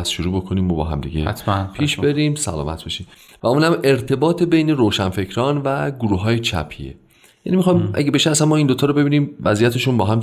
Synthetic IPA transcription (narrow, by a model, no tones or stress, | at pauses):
sʃuɾuːbo̞kʰoniːmːobɒ̰ːɦæ̰md̪iɟḛt̪pʰiːʃbe̞ɾiːmsæ̰lɒ̰ːmæ̰t̪ʰbeʃiːm | væuːnhæme̞ɾt̪ʰe̞bɒːt̪ʰebe̞jne̞ɾoːʃænfe̞cʰɾɒːnvæɡuɾuːɦɒːjet͡ʃʰæ̰pʰḭḛ | jæ̰niːmixɒjmʔæ̰ɡebe̞ʃeæsænmːɒːind̪ot̪ʰɒːɾobe̞biːniːmvæzijæt̪ʰeʃunbɒːɦæm